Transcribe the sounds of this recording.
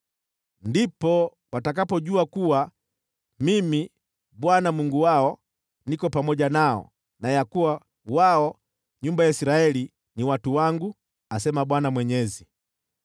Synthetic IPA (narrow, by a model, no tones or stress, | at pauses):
ndipɔ | watakapɔʄuakuwa | mimi | ɓwanamuŋɡuwaɔ | nikɔpamɔʄanaɔ̰ | najakuwa | waɔ | ɲumbajaisiɾaɛli | niwatuwaŋɡu | asɛmaɓwanamwɛɲɛzi